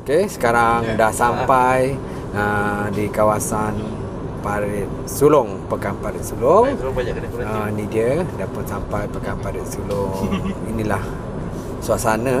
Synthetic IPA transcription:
okesə̥kaɾaŋdahsampaj | ədikawasan | paɾɪt̪̚sulɔŋpəkanpaɾɪt̪̚sulɔŋbaɲa | ənidiədapʊnsampajpəkanpaɾɪt̪̚sulʊŋinilah | suasanə

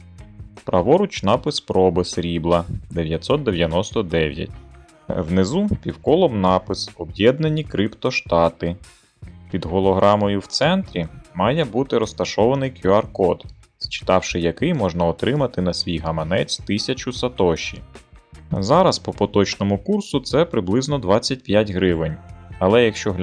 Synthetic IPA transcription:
pɾʔɐʋɔɾʊt͡ʃnɑpɪspɾɔbɪsɾʲiblˠɐd̪eʋʲjɐt̪ʲsɔt̪̚d̪eʋjɐnɔst̪ɔd̪ɛʋʲjɐ̰tʲ | wnɪzupʲiwkɔlˠɔmnɑpɪsɔbjɛd̪nenʲikɾɪpt̪ɔʃt̪ɑt̪ɪ | pʲid̪ɦɔlˠɔɦɾʔɑmɔjʊwt̪sɛnt̪ɾʲimɑjɛbut̪ɪɾɔst̪ɐʃɔʋɐnɪjkjuɐrkɔd̪ | st͡ʃɪ̥t̪ɑwʃɪjɐkɪjmɔʒnɐɔt̪ɾɪmɐt̪ɪnɐsʲʋʲijɦɐmɐnɛt͡sʲt̪ɪsʲɐt͡ʃʊsɐt̪ɔʃːḭ | zɑɾɐspɔpɔt̪ɔt͡ʃnɔmʊkursʊt̪sɛpɾɪblˠɪznɔd̪ʋɑt͡sʲːɐt̚ʲpʲjatʲɦɾɪʋɪnʲɐlˠɛjɐkʃt͡ʃɔɦʲ

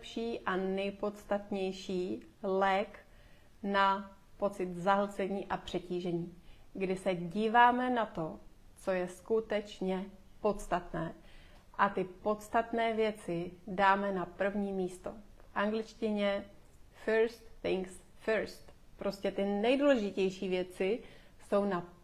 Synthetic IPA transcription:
ɛpʃiːʔanɛjpo̞t̪st̪at̪ɲɛjʃiːlɛk | na | po̞t͡sɪt̪zaɦl̩t͡sɛɲiːʔapr̝̥ɛciːʒɛɲiːɡdɪsɛɟiːvaːmɛnat̪o̞t͡so̞jɛskut̪ɛt͡ʃɲɛ | po̞t̪st̪at̪nɛː | ʔat̪ɪpo̞t̪st̪at̪nɛːvjɛt͡sɪdaːmɛnapr̩vɲiːmiːst̪o̞̰fʔaŋɡlɪt͡ʃcɪɲɛ | fɛɾst̪θɪŋks | fɛɾst̪pɾo̞scɛt̪ɪnɛjduːlɛʒɪcɛjʃiːvjɛt͡sɪ | so̞wna

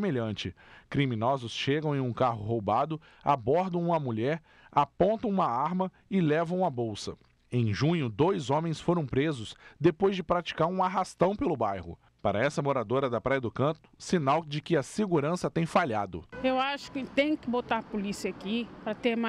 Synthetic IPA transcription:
meʎɐ̃nt͡ʃɪkɾimĩnɔzʊsʃeɡɐ̃w̃ẽj̃ũkaɦʊɦowbad̪ʊ | a̰bɔɾd̪ɐ̃w̃ũmɐmuʎɛɾ | apõnt̪ɐ̃w̃ũmɐaɾmɐ | ɪlɛvɐ̃w̃ɐbowsɐ | ẽj̃ʒũɲʊd̪ojzõmẽj̃sfoɾɐ̃w̃pɾezʊsd̪epojzd͡ʒɪpɾat͡ʃi̥kaɾũaɦast̪ɐ̃w̃pelʊbajhʊ̰ | paɾɐɛsɐmoɾad̪oɾɐd̪ɐpɾajɐd̪ʊkɐ̃t̪ʊ̥sinawd͡ʒɪkɪɐseɡuɾɐ̃sɐt̪ẽj̃faʎad̪ʊ̰ewaʃʊ̥kɪt̪ẽj̃kɪbot̪aɾpolisiɐakipɾɐt̪em

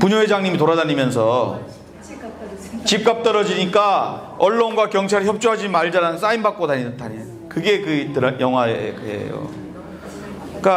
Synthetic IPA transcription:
puɲoɦed͡ʑaŋɲimitoɾadaɲimjʌns̬ʰʌ | t͡ɕip̚k͈ap̚t͈ʌɾʌd͡ʑiɲik͈a | ʌɭːonɡwakjʌŋt͡ɕʰaɾɯçjʌp̚t͡ɕ͈oɦad͡ʑimaɭd͡ʑaɾanɯns͈ainbak͈̚odaɲitaɲi | kɯɡe̞kɯtɯɾjʌŋɦwaḛkɯɦḛjo̰ | k͈a

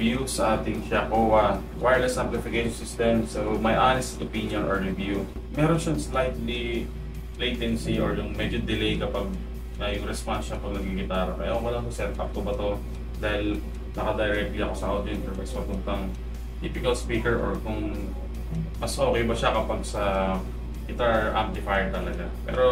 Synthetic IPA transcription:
vjusɐʔaːt̪ɪŋʃakoɐ | wajlɛsaplɪfɪkejʃonsɪst̪ɛmsomɐjʔanɛst̪opinjonʔɔɹɹɛvju | mɛːɾonʃɐŋslajt̪li | lejt̪ɛnsiʔoɹjʊŋmɛd͡ʒod̪ɪlejkɐpaɡ̚ | nɐjʊŋɾɛspansʃɐpɐɡ̚nɐɡiɡɪt̪aːɾokɐ̰ja̰koŋɐlaŋhosɛt̪ʔa̰p̚t̪obɐt̪o̞ | d̪aːhɪl | nɐkɐd̪ɐjɾɛk̚t̪liɐko̞sɐʔad̪ɛnsɔɹmɐɡsmɐpʊnt̪ɐŋ | t̪iːpɪkɐlspiːkɛɹʔɔɹkʊŋ | mɐsʔo̞ːkɛjbɐʃakɐpaɡ̚sɐ | kɪt̪aɹʔa̰mplɪfajd̪̚t̪ɐlɐɡapɛ̰ːɾo̞

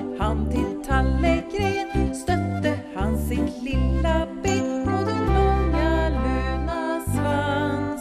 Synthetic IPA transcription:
hant̪ʰɪlt̪ʰalːəɡɾeːnst̪œt̪ːəhansɪt̪lɪlːabɛt̪pɔd̪ɛnlɔŋːaluːnasva

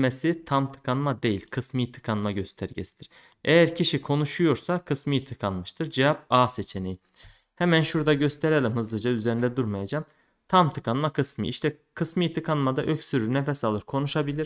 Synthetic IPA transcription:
mesit̪ʰamt̪ʰɯ̥kʰanmad̪e̞jilʲkʰɯsmɯjt̪ʰɯ̥kʰanmaɟø̞st̪ʰæɾɟesi̥d̪̥iɾ̥ | ejæɾcʰiʃikʰo̞nuʃujo̞ɾsakʰɯsmɯjɯt̪ʰɯkʰanmɯʃt̪ʰɯɾd͡ʒevap̚aːset͡ʃʰeneji | hɛmænʃuɾd̪aɟø̞st̪ʰeɾelʲimhɯzlˠɯd͡ʒayzeɾind̪ɛd̪uɾmajad͡ʒaːm | t̪ʰamt̪ʰɯkʰanmakʰɯsmɯ̰ʔḭʃt̪ʰɛkʰɯsmɯjit̪ʰɯkʰanmad̪aʔø̞csyɾynefɛsalˠɯɾkʰo̞nuʃabilʲiɾ

